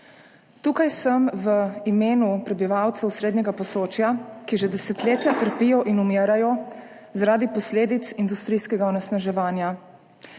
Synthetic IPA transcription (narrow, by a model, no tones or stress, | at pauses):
t̪uːkajsəmʋəimeːnupɾɛbiʋawt̪sɛwsɾeːd̪ɲɛɡapɔsoːt͡ʃjakiʒɛd̪ɛsɛt̪leːt̪jat̪əɾpiːjɔʔinumeːɾajɔ | zaɾaːd̪ipɔsleːd̪it̪sind̪ust̪ɾiːskɛɡaɔnɛsnaʒɛʋaːnja